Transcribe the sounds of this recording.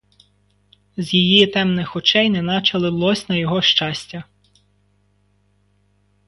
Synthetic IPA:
zʲjijit̪ɛmnɪxɔt͡ʃɛjnɛnɑt͡ʃɐlˠɪlˠɔsʲnɐjɔɦɔʃt͡ʃɑsʲtʲɐ

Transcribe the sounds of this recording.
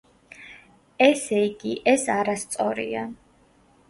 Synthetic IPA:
ɛsɛiɡiʔɛsaɾast̪sʼɔɾḭa

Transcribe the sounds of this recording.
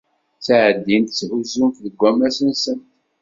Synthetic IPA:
t͡sːaʕəd̪ːint̪t͡sːʕuzumfðəɡʷæmæsənsənt̪

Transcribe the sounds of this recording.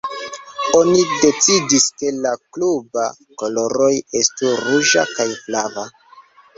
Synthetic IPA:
o̞nide̞t͡sidiske̞lakluba | ko̞lo̞ɾo̞je̞stuɾuʒakajflava

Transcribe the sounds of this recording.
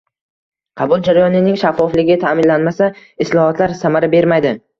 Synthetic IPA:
qʰɑbʊlˠd͡ʒaɾajɒnɪnɪŋʃafːɒflɪɡʲɪt̪ʰaːmɪnlːanmasaɪslˠɒhɒt̪laɾsamaɾabe̞ɾmajd̪ɪ

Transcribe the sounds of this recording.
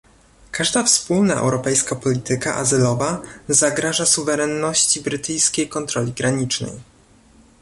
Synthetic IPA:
kʰaʐd̪afspulna̰ɛ̰wɾɔpɛjskapɔlʲit̪ɘka̰ʔa̰zɘlɔvazaɡɾaʐasuvɛɾɛnːɔɕt͡ɕibɾɘt̪ɘjskʲejkɔnt̪ɾɔlʲiɡɾaɲit͡ʂnɛ̰j

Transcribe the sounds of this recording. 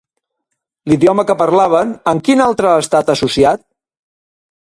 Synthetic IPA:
liðiɔməkəpəɾlaβ̞ənəŋkinalˠt̪ɾəːst̪at̪əsusiat̪̚

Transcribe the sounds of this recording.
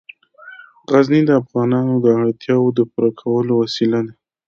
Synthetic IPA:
ɣaznid̪əafɣɑnɑnod̪əaɽt̪ʰjɑwod̪əpuɾakʰawəlowasilad̪a

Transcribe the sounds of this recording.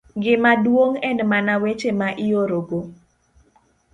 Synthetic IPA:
ɡɪmadwoŋɛnmanawet͡ʃemaʔɪoɾoɡo

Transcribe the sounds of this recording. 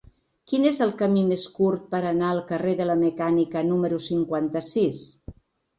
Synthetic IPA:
kinezəlˠkəmimeskuɾt̪̚pəɾənaəlˠkəreðələməkanikənuməɾusiŋkwant̪əsis

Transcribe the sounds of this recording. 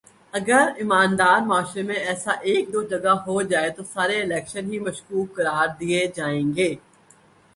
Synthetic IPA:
ɐɡəɾɪmaːnd̪aːɾmaːʃɾemẽɛːsaʔeːk̚d̪oːd͡ʒɐɡaɦod͡ʒaːet̪osaːɾeɪlɛːkʃənɦimɐʃkuːkːɐɾaːɾd̪ied͡ʒaːẽːɡeː

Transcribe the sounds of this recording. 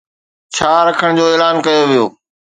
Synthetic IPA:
t͡ɕʰaːɾɐkʰəɽ̃d͡ʑoːeːlaːnkɐjoʋijo̰ː

